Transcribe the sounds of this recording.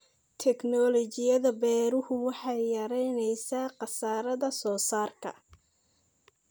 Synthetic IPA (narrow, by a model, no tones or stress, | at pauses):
t̪ʰɛknɔlɔt͡ʃɪjɐðɐbɛːɾʊhʊwɑħɑjjɐɾɛjnɛjsaːqɑsaːɾɐðɐsɔːsaːrkʰɐ̰